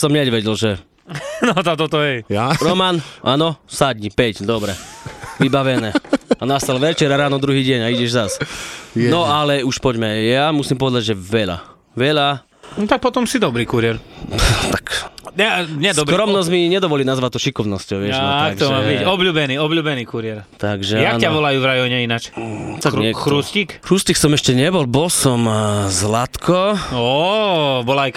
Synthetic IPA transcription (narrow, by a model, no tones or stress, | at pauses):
sɔmɲɛɟʋɛɟɛlʒɛ | nɔt̪ɔt̪ɔt̪ɔɛjaɾɔmanʔanɔsad̪ɲipɛcd̪ɔbɾɛʋibaʋɛnɛːanast̪alʋɛt͡ʃɛɾaɾaːnɔd̪ɾuɦiːɟɛɲaiɟɛʒzas | nɔalɛuʃpɔɟmɛjamusimpɔʋɛd̪aɟʒɛʋɛʎa̰ | ʋɛʎa | nɔt̪ak̚pɔt̪ɔmsid̪ɔbɾiːkuɾɪɛɾt̪akaɲɛsd̪ɔbkɾɾɾɔmnɔz̬miɲɛd̪ɔʋɔlinazʋat̪̚ːɔʃikɔʊnɔscɔʊɪɛʒaakɡt̪ɔmabiɔbluːbɛniːɔbʎuːbɛniːkuɾɪɛɾt̪aɡʒɛjanaʋɔlajuvɾajɔɲɛinat͡ʃt̪aɡɛkɾuscikkɾusciksɔmɛʃcɛɲɛbɔlbɔlsɔmzlat̪kʰɔɔ | bɔlaj